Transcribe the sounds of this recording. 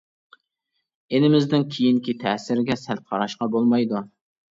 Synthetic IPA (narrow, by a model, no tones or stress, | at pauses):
enɪmɪzd̪ɪnkʲʰijiŋkʲit̪ʰɛsɪɾɪɡʲɛsælt̪̚qʰɑɾɑʃqɑbolˠmɑjd̪u